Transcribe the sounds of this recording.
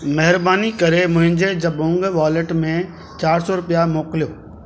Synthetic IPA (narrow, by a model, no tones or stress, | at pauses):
mɛɦɪɾbaːnikəɾemʊ̃ɦɪ̃ɲd͡ʒed͡ʒəbõŋɡʋaːleʈmẽ | t͡ʃaːɾsɔɾʊpjamoːklɪjoː